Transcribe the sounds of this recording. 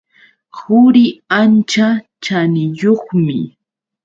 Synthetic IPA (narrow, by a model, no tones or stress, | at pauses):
hʊɾɪant͡ʃa | t͡ʃanɪjoχmɪ